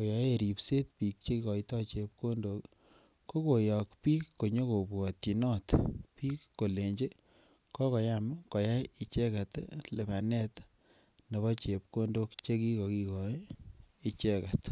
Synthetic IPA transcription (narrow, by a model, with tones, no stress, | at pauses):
ko˨ja˨˦e˨ɾi˨pse˦t̚pi˨k̚t͡ʃe˦ki˦kɔ˨i˦tɔ˦t͡ʃe˨p̚ko˦ndo˨k | ko˦ko˨jɔ˨kpiː˦kːo˨ɲo˦ko˨bwɔ˨t̪i˨nɔ˦t̪piː˦kːo˨le˨ɲd͡ʒe˦ | kɔ˦kɔ˨jamkɔ˨ja˦ji˨t͡ʃe˦ka˨t̪le˨ba˨nɛ˦t̪ | ne˨βɔ˦t͡ʃe˨p̚ko˦ndo˦kt͡ʃe˦ki˦kɔ˨ki˦kɔ˨ | i˨t͡ʃe˦ka˨t